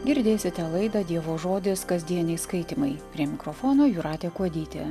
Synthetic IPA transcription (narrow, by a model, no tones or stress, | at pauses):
ɡʲɪɾʲd̪ʲeːsʲɪt̪ʲɛlˠɐɪd̪ɐd̪ʲiɛʋoːʒoːd̪ʲɪskɐzʲd̪ʲiɛnʲɪskɐɪt̪ʲɪmɐɪpʲɾʲiɛmʲɪkɾofoːnoːjuːɾɑːt̪ʲeːkuɔd̪ʲiːt̪ʲɛ̰